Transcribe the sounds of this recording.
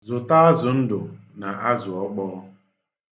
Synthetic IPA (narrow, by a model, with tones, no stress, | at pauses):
zʊ˨ta˦a˦zʊ˨n̩˦dʊ˨ | na˨ʔa˦zʊ˨ɔ˦k͡pɔː˦